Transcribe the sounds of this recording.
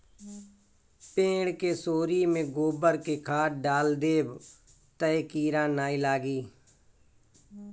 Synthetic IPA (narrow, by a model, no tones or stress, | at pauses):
pẽːɳkeːsoːɾiːmẽːɡoːbəɾkeːkʰaːʈɖaːld̪eːb | t̪əekiːɾãːnaːiːlaːɡiː